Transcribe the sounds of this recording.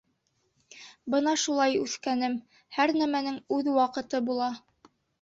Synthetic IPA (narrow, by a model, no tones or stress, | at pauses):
bɤn̪ɑʃulˠɑjʉθkænɘm | hæɾnæmænɘŋʉðwɑqɤ̆t̪ɤbulˠɑ